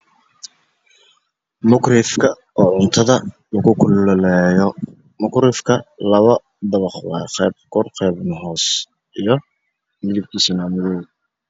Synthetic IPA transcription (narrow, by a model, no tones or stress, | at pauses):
mʊkrɪfkʰɐ | ɔːʕʊnt̪ʰɐðɐ | lɐɣʊkʰʊllɛːjɔ | mʊkɾɪfkʰɐlɐβɐ | d̪ɐβɑχwɑ̰ːɛb̚kʰɔrqɛːbnɦɔːs | ʔijɞ | mɪðɪb̚kʰiːsinaːmʊðɔː